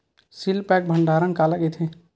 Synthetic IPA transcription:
silpɛːk̚bʱə̃ɳɖʱaːɾənkaːləkit̪ʰẽ

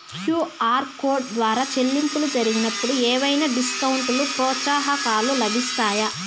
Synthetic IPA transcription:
kjuːaːɾkoːɾɖ̚d̪ʋaːɾaːt͡ʃe̞lːimpulud͡ʒɐɾiɡinɐpːuɽuɛːʋɐjnaɖiskɐwuɳʈulupɾɔːt͡ʃaːɦɐkaːlulɐbist̪aːjɐ

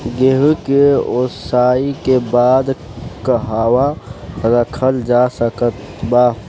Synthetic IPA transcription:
ɡeɦkeosaːikebaːd̪ | kəɦaːwaɾəkʰəld͡ʒasəkət̪ | ba

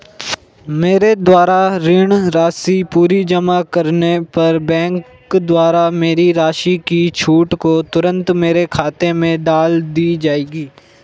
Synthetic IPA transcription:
meːɾed̪waːɾaɾɪɳɾaːsipuːɾid͡ʒɐmakɐɾnepɐɾbɛ̃ːŋk | d̪waːɾameːɾiɾaːʃikit͡ʃʰuːʈkot̪ʊɾə̃nt̪meːɾekʰaːt̪emẽd̪aːld̪iːd͡ʒaːeːɡiː

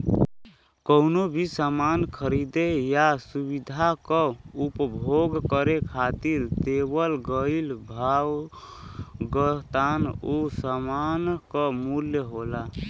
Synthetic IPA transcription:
kəʊnobʱisamankʰəɾid̪ejasubid̪ʱakɔ̃upəbʱoɡkəɾekʰat̪iɾt̪ebəlɡəilbʱaw | ɡət̪anosəmankəmuljəɦola

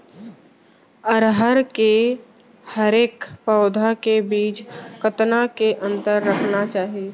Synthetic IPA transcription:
əɾɦəɾke | həɾeːkpəːd̪ʱakebiːt͡ʃkət̪nakeʔə̃nt̪əɾːəkʰnat͡ʃaːɦie

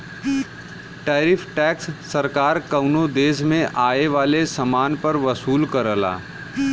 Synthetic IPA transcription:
ʈɛːɾɪfʰʈɛːksːɐɾkaːɾkɐʊnod̪eːsmẽʔaːeʋaːlesɐmaːnpɐɾʋɐsuːlkɐɾəla̰ː

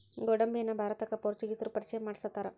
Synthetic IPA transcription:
ɡɔɽɐmbijɐnːɐbʱaːɾɐt̪ɐkːɐpoɾt͡ʃuɡisɐɾupɐɾit͡ʃɐjɐmaːɽisɐt̪ːaːɾɐ

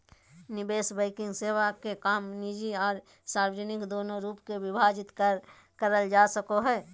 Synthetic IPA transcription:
nɪbeːsbəɪkɪ̃ŋɡseːwakekaːmnid͡ʒiɔːɾ | saːɾwəd͡ʒənɪkd̪oːnoɾuːpkewɪbʱaːd͡ʒɪt̪kə | kəɾəld͡ʒasəkoɦɛː

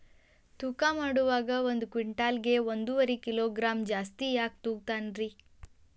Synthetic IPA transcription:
t̪ukaːmaːɽuʋaːɡɐond̪ukʋiɳʈaːlɡe̞ond̪uʋɐɾikiloːɡɾaːmd͡ʒaːst̪ijaːk̚t̪uːɡ̚t̪aːnɾi

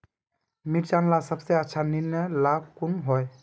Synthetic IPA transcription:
miɾt͡ʃanlasəbseətːʃʰaninəlab̚kunɦɔj

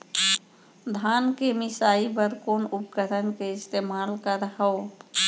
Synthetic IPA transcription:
d̪ʱaːnkemɪsaːipəɾkoːnʊpkəɾʰənkeɪst̪eːmaːlkəɾɦəo

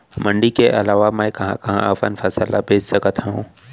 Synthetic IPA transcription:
mə̃ɳɖikeʔɐlaːʋamɛ̃kɐɦãkɐɦã̰əfənfʰɐsəla̰bʱeːd͡ʒsɐkət̪ɦɛɦṵ̃ː

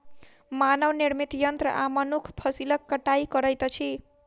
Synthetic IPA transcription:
manʌwnirmit̪jʌnt̪rʌ̰ʔamʌnukʰpʰʌsilʌkːʌʈajkʌɾʌjt̪ʌt͡sʰi

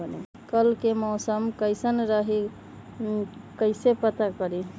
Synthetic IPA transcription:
ənḭ | kəlkemɔʊsəmkəjsənɾəɦi | kəɪsepət̪akəɾi

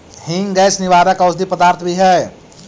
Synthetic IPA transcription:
hiŋɡɛsniʋad̪əkəʊsd̪ipəd̪aːɾt̪ʰbiɦɛ

